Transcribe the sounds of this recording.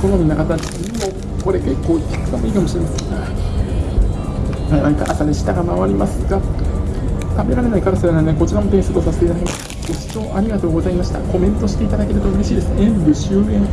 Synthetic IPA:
konoɲinakat̪a | mo | ko̞ɾe̞ke̞kːo̞ːkʲi̥kɯ̟̥t̪amoiːkamo̞ɕiɾe̞maseŋɡa | ãaika̰ʔa̰saneɕi̥t̪aɡamaβaɾʲimasɨɡa | k̪abeɾaɾe̞naikaɾɯsaɾananeko̞t͡ɕiɾamot̪eɰ̃sɨt̪osaset̪eit̪ad̪akʲemast̪ḁa | oi̥t͡ɕo̞ːʔaɾʲiɡat̪o̞ːɡo̞zaimaɕi̥t̪a̰ko̞mẽ̞nt̪o̞ɕi̥t̪e̞it̪ad̪ake̞ɾɯ̟t̪oɯ̟ɾeɕiːd̪esɨ̥ẽ̞mbɯ̟ɕɨːmẽ̞ŋ

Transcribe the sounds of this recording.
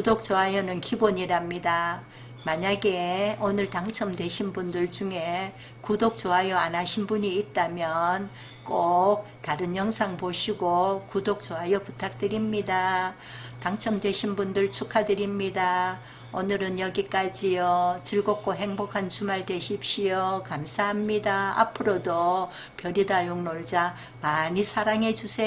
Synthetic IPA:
kkudok̚t͡ɕ͈oɦajʌnɯnkiboɲiɾamɲida | maɲaɡeonɯɭtaŋt͡ɕʰʌmdwe̞ɕʰinbundɯɭd͡ʑuŋe̞ | kudok̚t͡ɕ͈oɦajʌanaɕʰinbuɲiːt̚t͈amjʌn | k͈ok̚taɾɯnjʌŋsʰaŋpoɕʰiɡokudok̚t͡ɕ͈oɦajʌputʰak̚t͈ɯɾimɲida | taŋt͡ɕʰʌmdwe̞ɕʰinbundɯɭt͡ɕʰukʰadɯɾimɲida | onɯɾɯnjʌɡik͈ad͡ʑijʌt͡ɕiɭɡok̚k͈oɦe̞ŋbokʰant͡ɕʰumaɭde̞ɕʰip̚ɕ͈iokamsʰaɦamɲidaa̰pʰɯɾodo | pjʌɾidajoŋnoɭd͡ʑa | maɲisʰaɾaŋɦe̞d͡ʑusʰe

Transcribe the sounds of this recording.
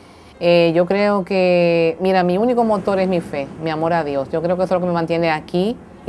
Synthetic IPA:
eʝo̞kɾeokemiɾamiuniko̞mo̞t̪o̞ɾesmife̞miamo̞ɾaðjo̞sʝo̞kɾeokesolokememãnt̪jeneaki

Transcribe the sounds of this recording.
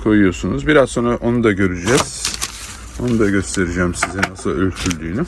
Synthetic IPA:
kʰo̞jujo̞sunuzbiɾazso̞ːnɾaʔo̞nud̪aɟø̞ɾyd͡ʒɛz̥ | o̞nud̪aɟø̞st̪ʰe̞ɾid͡ʒæːmsizinasɯlˠølʲt̪ʰylʲd̪yːny

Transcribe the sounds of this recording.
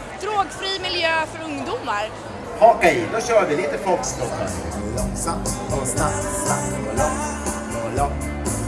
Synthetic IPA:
d̪̥ɾoːɡfɾiːmɪljøːfœɾɵŋd̪umaɾ | hɑkɛjd̪ɔɕœːɾvɪliːt̪əfɔlkst̪ɔkʰhɔ̰n̰ɛlɔŋsamt̪ɔsnap̚t̪st̪akt̪ɪŋɔlɔŋt̪ | ɔlɔŋ

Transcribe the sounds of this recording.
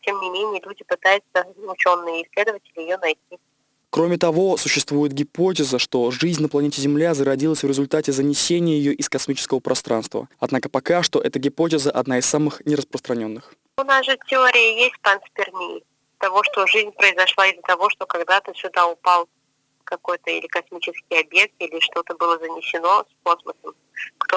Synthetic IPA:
tʲemnʲɪmʲenʲɪjəlʲudʲɪpɨt̪ajʊt̪səzmʊt͡ɕo̞nːɨjəɪsʲlʲe̞d̪əvətʲɪlʲɪjɪjonɐjtʲi | kɾomʲɪt̪ɐvo̞sʊɕːɪst̪vujɪt̪̚ɡʲɪpo̞t̬ʲɪzəʂt̪o̞ʐɨzʲnʲnəplˠɐnʲetʲɪzʲɪmlʲazəɾɐdʲilˠəsʲvɾʲɪzʊlʲt̪atʲɪzənʲɪsʲenʲɪjəjɪjoʔɪskɐsmʲit͡ɕɪ̥skəvəpɾʔɐst̪ɾa̰n̪st̪və̰ɐd̪nakəpɐkaʂt̪o̞ʔɛt̪əɡʲɪpotʲɪzəʔɐd̪naɪsːamɨxnʲɪɾəspɾəst̪ɾɐnʲo̞nːɨx | ʊnasʐɨtʲɪo̞ɾʲɪjəjesʲtʲpɐnspʲɪrnʲi | t̪ɐvo̞ʂt̪o̞ʐɨzʲnʲpɾəɪzɐʂlˠaɪzət̪ɐvo̞ʂt̪o̞kɐɡd̪at̪ɨsʲʊd̪aʊpalˠ | kɐko̞jt̪əḭlʲɪkɐsmʲit͡ɕɪskʲɪjɐbʲjek̚t̪ilʲɪʂt̪o̞t̪əbɨlˠəzənʲɪsʲɪno̞sko̞sməsəm | kt̪o

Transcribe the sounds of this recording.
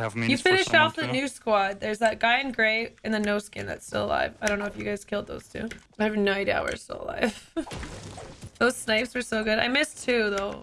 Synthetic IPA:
jɨfɪ̃nɨʃtɔfðɨnʉskwɑd̪̚ðə˞zðaɡ̥aɪɨ̃nɡɹeɪɨ̃nðɨnoʊskɪ̰̃nðɨ̰tstɪ̰lˠə̰la̰ɪvaɪdõʊ̃nːoʊɨfjɨɡaɪz̥kʰɪlˠd̪̚ðo̰ʊz̥tʰʉ̰aɪhævɨ̃n̩noʊda̰ʊwə̰˞sto̰ʊl̰ˠla̰ɪf | ðoʊz̥snaɪpswə˞soʊɡʊɾa̰ɪmɪstʰʉðoʊ

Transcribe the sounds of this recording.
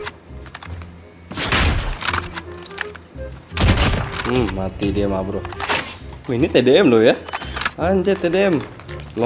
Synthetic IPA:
at̪idɛɛmabɾo | minit̪ɛdɛɛmlojaaɲd͡ʒɛt̪ɛdɛɛm | l

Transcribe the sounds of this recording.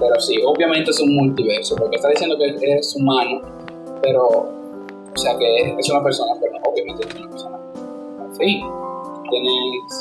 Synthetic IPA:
peɾɔsiovːjament̪esumːunt̪ivɛrsopɔjkːest̪ad̪it͡ʃɛnd̪okesumaːnu | peɾɔ | sakeket͡ʃːɛunapersoːnakenoʔovːjament̪esɛunapeɾsoːnake | asi | k̪ene

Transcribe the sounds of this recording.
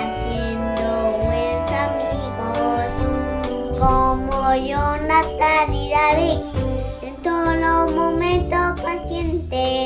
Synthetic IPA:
sje | nd̪oɣwenosamiɣos | komojonat̪aniðaβi | ent̪olomomẽnt̪opasjent̪e

